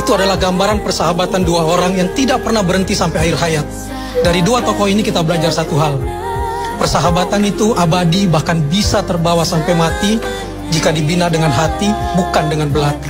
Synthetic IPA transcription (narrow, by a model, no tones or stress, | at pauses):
it̪uadalahɡambaɾanpərsaɦabat̪anduaoɾaŋjaŋt̪idak̚pərnahbəɾənt̪isampajairɦajat̪̚ | daɾiduat̪ɔkɔinikit̪abəlad͡ʒarsat̪uɦal | pərsaɦabat̪anit̪uʔabadibahkanbisat̪ərbawasampajmat̪i | d͡ʒikadibinadəŋanɦat̪ibukandəŋanbəlat̪